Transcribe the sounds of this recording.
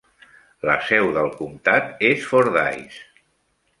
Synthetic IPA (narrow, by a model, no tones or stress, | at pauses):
ləsɛwðəlˠkumt̪at̪esfoɾða̰js